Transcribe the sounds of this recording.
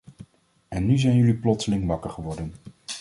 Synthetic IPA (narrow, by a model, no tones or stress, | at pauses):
ɛnːyzɛjnjɵliplɔtsəlɪŋʋɑkəɹχəʋɔɹdən